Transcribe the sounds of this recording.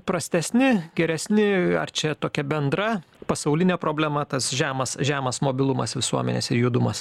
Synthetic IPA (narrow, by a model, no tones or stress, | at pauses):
pɾɐsʲt̪ʲɛsʲnʲɪɡʲɛɾʲɛsʲnʲɪɐ̰rt͡ʃʲɛt̪oːkʲɛbʲɛnd̪ɾɐ | pɐsɐʊlʲɪnʲeːpɾoːbʲlʲɛmɐt̪ɐsʒʲæːmɐsʒʲæːmɐsmoːbʲɪlˠʊmɐ̰sʋʲɪsuɔmʲɛ̰nʲḛːsɪjud̪ʊmɐs